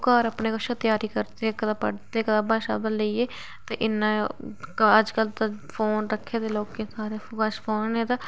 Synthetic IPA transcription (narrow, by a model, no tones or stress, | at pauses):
kaːɾəpneːkəʃaːt̪jaːɾiːkəɾt̪eːkəaːpəɽt̪eːkəd̪aːbãːʃa̰ːbələiːeː | t̪ḛːʔɪnːãː | əd͡ʒkəlt̪aːpʰoːnɾəkʰːeːd̪eːloːkeːkaːɾeːkaʃpʰoːnːẽːt̪aː